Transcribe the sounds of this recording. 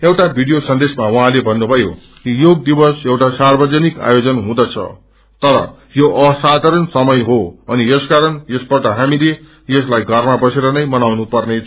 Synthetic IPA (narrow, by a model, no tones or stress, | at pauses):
ewʈabʱiɽijosʌnd̪esmawʌɦãlebʱʌnːubʱʌjo̰ | kijoɡ̚d̪ibʌsewʈasarbʌd͡zʌnika̰jod͡zʌnɦũd̪ʌt͡sʰʌ̰ | t̪ʌɾʌ̰ | joʔʌsad̪ʱaɾʌnsʌmʌjɦoʌnieskaɾʌnjesbʌʈʌɦamile | jeslajɡʱʌrmabʌseɾʌnʌjmʌnawnupʌrnet͡sʰ